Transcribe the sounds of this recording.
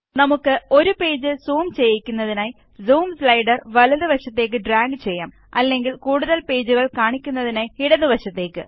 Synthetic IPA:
nɐmukːɨo̞ɾupe̞ːd͡ʑɨsuːmt͡ɕe̞jːikʲːunːɐðinaːj | zuːmslɐjɖɐrʋɐlɐðɨʋɐɕɐt̪ːe̞ːk̬ːɨɖraːŋɡɨt͡ɕe̞jːaːm | ɐlːe̞ŋɡilkuːɽuðɐlpe̞ːd͡ʑuɣɐɭkaːɳikʲːunːɐðinaːjiɽɐðɨʋɐɕɐt̪ːe̞ːkːɨ̰

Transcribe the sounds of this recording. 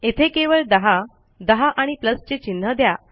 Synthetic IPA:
et̪ʰekeʋəɭd̪əɦa | d̪əɦaʔaɽ̃ipləst͡ɕet͡ɕin̤ːəd̪ja

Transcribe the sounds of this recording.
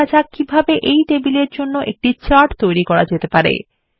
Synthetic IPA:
ad͡ʑakibʱabeʔejt̪ebileɾd͡ʑonːoʔek̚ʈit͡ɕaɾʈt̪ojɾikɔɾad͡ʑet̪epaɾḛ

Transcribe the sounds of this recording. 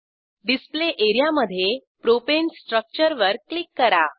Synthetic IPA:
ɖispleʔeɾijaməd̪ʱːjepɾopensʈɾək̚t͡ɕəɾʋəɾklikːəɾa

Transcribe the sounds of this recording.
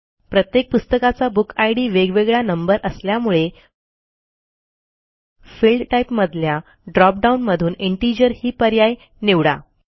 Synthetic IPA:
pɾət̪jek̚pust̪əkat͡sabukajɽiːʋeɡʋeɡɭjanəmbəɾʔəsljamuɭe | filɖʈaipməd̪ʱlja | ɖɾɔp̚ɖaunməd̪ʱuːneɳʈid͡ʑəɾhiːpəɾjaj | neʋɽa̰

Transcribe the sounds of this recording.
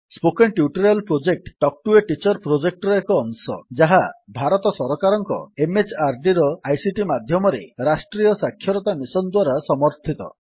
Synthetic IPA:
spokenʈjuʈɔɾalpɾod͡ʒek̚ʈʈːɔk̚ʈueʈit͡ʃɔɾpɾod͡ʒek̚ʈɾɔekɔːŋsɔ̰d͡ʒaɦabʱaɾɔt̪ɔsɔɾɔkaɾɔŋkɔ̰emet͡ʃʰaɾɖiɾɔajsiʈimad̪ʱjɔmɔɾḛɾasʈɾijɔsakʰjɔɾɔt̪amisɔnd̪waɾasɔmɔɾt̪ʰit̪ɔ̰

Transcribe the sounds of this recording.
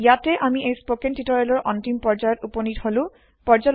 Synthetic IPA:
jatɛʔamiejspokɛntitɔɹɛlɔɹʔɔntimpɔɹd͡ʒajɔtuponitholʊ̃ | pɔɹd͡ʒal

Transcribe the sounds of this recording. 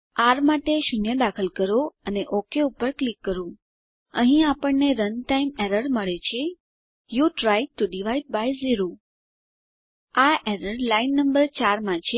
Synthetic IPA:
aɾmaʈeʃunjəd̪akʰəlkəɾoəneʔokeupəɾklikːəɾũ | əɦĩapəɳneɾənʈaimeɾəɾməɭet͡ʃʰe | juʈɾajʈuɖiʋaiɖ̚bajziɾo | aʔeɾəɾlainːəmbəɾt͡ʃaɾmãt͡ʃʰe

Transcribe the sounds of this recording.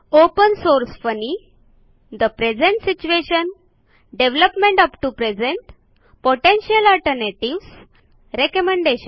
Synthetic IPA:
opənsoɾsfəni | d̪əpɾed͡zẽɳʈsit͡ɕueɕən | ɖeʋləpmẽɳʈəpʈupɾed͡zẽɳʈ | poʈẽnɕəlɔlʈəɾneʈiʋs | ɾekəmẽɳɖeɕən

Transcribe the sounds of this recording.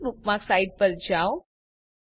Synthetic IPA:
nupmaksaiʈ̚pəɾd͡ʑaw

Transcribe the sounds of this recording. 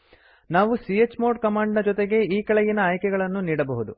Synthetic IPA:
naːʋusiet͡ʃːmoːɾɖ̚kɐmaːɳɖnɐd͡ʒɔt̪eɡe̞iːkɐɭɛjinɐaːjkɛɡɐɭɐnːuniːɽɐbɐɦud̪u

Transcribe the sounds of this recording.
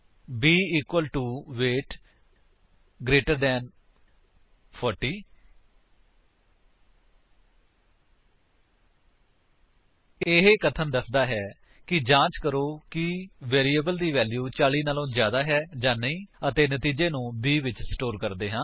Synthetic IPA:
biːiːkwəlʈuːʋeːʈ | ɡɾeːʈəɾd̪ɛ̃ːn | pʰɔːɾʈiː | ɪɦeːkət̪ʰənd̪əsd̪aːɦɛː | kɪd͡ʒãːt͡ʃkəɾoːkɪʋeːɾiːəbəld̪iːʋɛːljuːt͡ʃaːliːnaːlõːzjaːd̪aːɦɛːd͡ʒãːnəĩːət̪eːnət̪iːd͡ʒeːnũːbiːʋɪt͡ʃsʈoːɾkəɾd̪eːɦãː

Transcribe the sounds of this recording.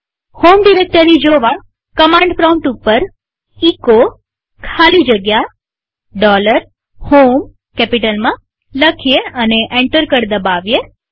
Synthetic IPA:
homɖiɾek̚ʈəɾid͡ʒoʋa | kəmãɳɖfɾãw̃ɳʈupːəɾ | iko | kʰalid͡ʒəɡja | ɖɔləɾ | hom | kɛpiʈəlmã | ləkʰijeəneʔeɳʈəɾkəɾd̪əbaʋje

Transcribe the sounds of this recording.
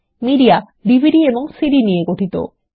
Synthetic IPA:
miɖia | ɖibʱiɖieboŋsiɖinieɡoʈʰit̪o̰

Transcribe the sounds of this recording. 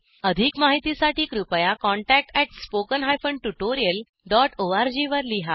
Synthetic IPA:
əd̪ʱikmaɦit̪isaʈiːkɾupəjakɔɳʈæk̚ʈɛʈspokənɦajfəɳɖʈuʈoɾijəl | ɖɔʈʰoaɾd͡ʑiʋəɾliɦa

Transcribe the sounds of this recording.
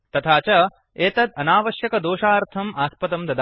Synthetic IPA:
t̪ɐt̪ʰaːt͡ʃɐ | eːt̪ɐd̪ɐnaːʋɐʃjɐkɐd̪oːʃaːɾt̪ʰɐmaːspɐt̪ɐmd̪ɐd̪a

